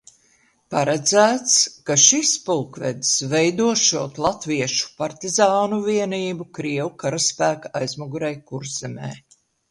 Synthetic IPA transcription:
paɾɛd̪zæːt̪skaʃispulˠkvɛ̰d̪svɛjd̪uɔʃuɔt̪lˠat̪viɛʃu̥paɾt̪izaːnuviɛniːbukɾiɛwukaɾaspæːkaajzmɔɡuɾɛjkuɾz̥ɛmɛː

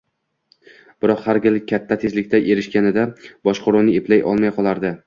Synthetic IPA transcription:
b̥ɪɾɒqhaɾɡʲɪlɪat̪ʰːat̪ʰe̞zlɪkʲt̪ʰaʔe̞ɾɪʃkʲanɪd̪abɒʃqoɾuwnɪeplajʔɒ̰lˠmajqʰɒlˠaɾd̪ɪ

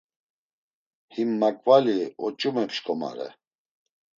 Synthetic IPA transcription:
himːakʼvaliɔt͡ʃʼumɛpʃkʰʼɔma̰ɾɛ̰

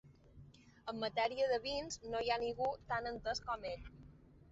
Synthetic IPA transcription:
əmːət̪ɛɾiəðəβinznojaniɣut̪anənt̪əskɔmeʎ

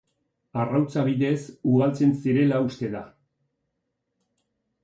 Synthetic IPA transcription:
arawt͡saβiðe̞suɣalt͡se̞nsiɾe̞laust̪e̞ða

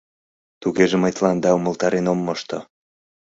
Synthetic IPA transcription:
t̪uɣeʒeməjt̪lɑnd̪ɑumə̆lt̪ɑɾenomːoʃt̪o

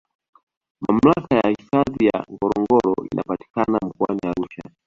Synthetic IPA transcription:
mam̩lakajahifaðijaŋɡɔɾɔŋɡɔɾɔḭna̰pati̥kanam̩kuaniaɾuʃa

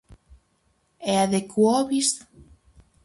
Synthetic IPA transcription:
eaðekuoβist̪

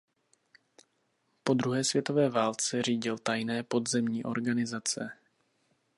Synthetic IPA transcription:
po̞d̪ɾuɦɛːsvjɛt̪o̞vɛːvaːlt͡sɛriːɟɪlt̪ajnɛːpo̞d̪zɛmɲiːʔo̞̰ɾɡanɪzat͡sɛ

